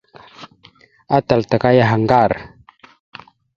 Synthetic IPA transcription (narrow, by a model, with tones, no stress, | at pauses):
a˦ta˨lta˨ka˦ja˦ɦa˨ŋɡa˦˨ɾ